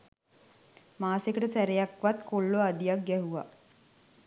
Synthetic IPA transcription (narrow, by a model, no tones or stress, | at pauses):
maːsekəʈəsæɾejakʋat̪koɭːoad̪ijak̚ɡɛɦuʋa̰